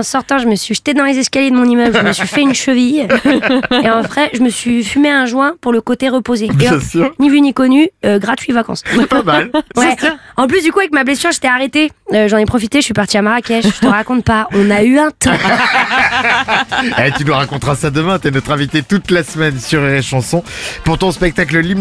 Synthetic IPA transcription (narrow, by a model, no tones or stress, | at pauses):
ɑ̃sɔʁt̪ɑ̃ʒəməsɥiʒə̥t̪ed̪ɑ̃lezɛskaljed̪əmɔ̃nimœblʒəməsɥifɛynʃəvij | eɑ̃vʁɛʒəməsɥifymeɛ̃ʒwɛ̃puʁləkot̪eʁəpozeeɛsnivynikɔnyøɡʁat̪ɥivakɑ̰̃spamalwɛɑ̃p̬lysd̪ykuavɛkmablɛsyʁʒet̪ɛaʁet̪eøʒɑ̃nɛpχɔfit̪eʃəsɥipaʁt̪iamaʁakʲɛʃʒə̥t̪əʁakɔ̃t̪̚paɔ̃nayɛ̃t̪ɑ̃ | et̪ynuʁakɔ̃t̪ʁasad̪əmɛ̃t̪yɛnɔt̪χɛ̃vit̪et̪ut̪lasmɛnsyʁeʁeʃɑ̃sɔ̃puʁt̪ɔ̃spɛk̚t̪akləlim